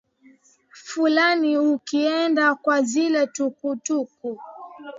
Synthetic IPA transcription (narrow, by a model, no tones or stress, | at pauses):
fulaniukiɛndakwazilɛtukutuku